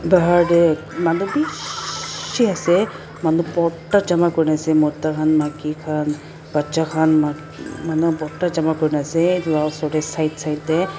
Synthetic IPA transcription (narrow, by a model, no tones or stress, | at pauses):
baɦaɹdɛ | manubi | ʃiasɛ | manupɔɹtad͡ʒamakoɹinasɛmɔtːakʰanmakikʰan | b̥at͡ʃakʰanma | manupɔɹtad͡ʒamakɔɹinasɛasɔdɛsajtsajtdɛ